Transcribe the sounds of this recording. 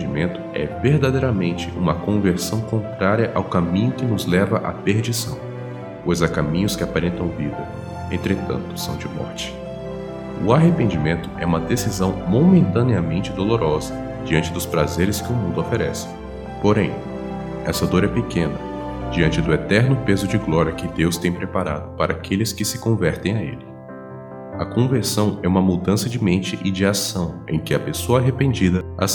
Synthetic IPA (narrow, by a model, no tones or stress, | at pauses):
imẽnt̪ʊ̥ɛ̰veɾd̪ad̪ejɾɐmẽnt͡ʃɪʔũmɐkõveɾsɐ̃w̃kõnt̪ɾaɾjɐʔawkamĩɲʊkɪnʊzlɛvɐʔa̰peɾd͡ʒisɐ̃w̃ | pojzakamĩɲʊskɪapaɾẽnt̪ɐ̃w̃vidɐ | ḛ̃nt̪ɾet̪ɐ̰̃nt̪ʊ̥sɐ̃w̃d͡ʒɪmɔ̰ɾt͡ʃɪ̥ | ʊaɦepẽnd͡ʒimẽnt̪ʊ̥ɛũmɐd̪esizɐ̃w̃momẽnt̪ɐ̃niɐmẽnt͡ʃɪd̪oloɾʔɔzɐ | d͡ʒiɐ̃nt͡ʃɪd̪ʊspɾazeɾɪskɪʊmũnd̪ʊofeɾɛsɪ̥ | poɾẽj̃ | ɛsɐd̪oɾɛpekʰẽnɐ | d͡ʒiɐ̃nt͡ʃɪd̪ʊet̪ɛɾnʊpezʊd͡ʒɪɡlɔɾiɐkɪd̪ewst̪ẽj̃pɾepaɾa̰d̪ʊpaɾɐakʰelɪskɪsɪkõvɛɾt̪ẽj̃aḛlɪ | ɐkõveɾsɐ̃w̃ɛũmɐmud̪ɐ̃sɐd͡ʒɪmẽnt͡ʃɪʔɪd͡ʒɪasɐ̃w̃ẽj̃kɪɐpesoɐaɦepẽnd͡ʒid̪ɐa̰s